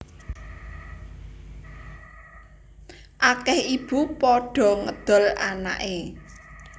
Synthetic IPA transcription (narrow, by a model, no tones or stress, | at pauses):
ʔakɛhib̥upɔɖ̥ɔ̤ŋəd̪̥ɔ̤lana̰ʔe